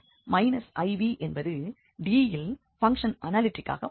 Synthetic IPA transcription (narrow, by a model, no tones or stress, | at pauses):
mɐɪnɐsɐɪʋiʔɛnbɐðɯ | ɖiːɪl | fɐŋkʂɐnʔɐnaːlɪʈːɪkːa̰ːɣɐ